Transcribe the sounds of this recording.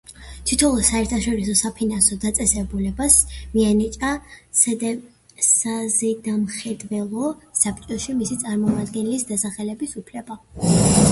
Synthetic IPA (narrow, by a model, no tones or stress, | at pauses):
t̪ʰit̪ʰɔlˠɔsaɛɾt̪ʰaʃɔɾisɔsapʰinansɔd̪at̪sʼɛsɛbulɛbasmianit͡ʃʼasd̪ɛ | sazɛd̪amχɛd̪vɛlˠɔsapʰt͡ʃʼɔʃimisit̪sʼaɾmɔmad̪ɡɛnlisd̪asaχɛlɛbisupʰlɛba